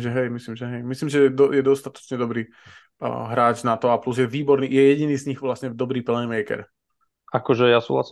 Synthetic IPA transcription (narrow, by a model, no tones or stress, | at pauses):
ʒɛɦɛjmisliːmʒɛɦɛjmisliːmʒɛɛd̪ɔjɛd̪ɔst̪at̪ɔ̥t͡ʃɲɛd̪ɔbɾiː | ɦɾaːd͡ʒnat̪ɔapluzjɛʋiːbɔɾniːjɛjɛɟiniːzɲiɣʋlasɲɛvd̪ɔbɾiːpl̩nimɛjkɛ̰ɾ | akɔʒɛjasṵːɦla̰si